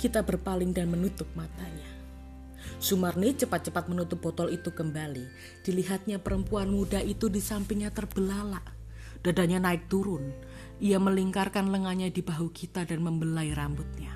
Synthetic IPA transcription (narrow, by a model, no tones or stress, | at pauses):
kit̪abərpalɪŋdanmənut̪ʊp̚mat̪aɲa | sumarnit͡ʃəpat̪̚t͡ʃəpat̪̚mənut̪ʊp̚b̥ɔt̪ɔlit̪ukəmbali | d̥iliɦat̪̚ɲapəɾəmpuanmudaʔit̪udisampiŋɲat̪ərb̥əlalaʔ | d̥adaɲanaɪk̚t̪uɾʊn | ʔijaməliŋkarkanləŋaɲadibaɦukʰit̪adanməmbəlaiɾambʊt̪̚ɲa